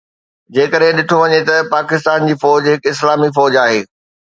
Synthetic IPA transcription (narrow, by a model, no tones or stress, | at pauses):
d͡ʑeːkəɗɦɪ̃ɗɪʈʰoʋɐɲet̪ɐpaːkɪst̪aːnd͡ʑiːfɔːd͡ʑɦɪkɪslaːmifɔːd͡ʑaːɦeː